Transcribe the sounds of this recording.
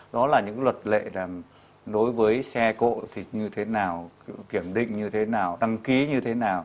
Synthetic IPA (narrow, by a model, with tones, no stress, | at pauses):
ɗɔ˨˦laː˨˩ɲɨ̰˧˥ŋlwə˨˩t̚lḛ˧˨laː˨˩m | ɗo˨˦jvəː˨˦jsɛ˧ko̰˧˨t̪ʰi˨˩ɲɨ˧t̪ʰe˨˦naː˨˩wki˧˩əmɗḭ̈˧˨ŋ̟ɲɨ˧t̪ʰe˨˦naː˨˩wɗ̪a˧ŋki˨˦ɲɨ˧t̪ʰe˨˦naː˨˩w